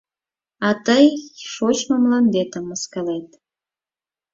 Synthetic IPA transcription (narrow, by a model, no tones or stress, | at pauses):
ɑt̪əjʃot͡ɕməmlɑnd̪et̪ə̆mːəskɑlet̪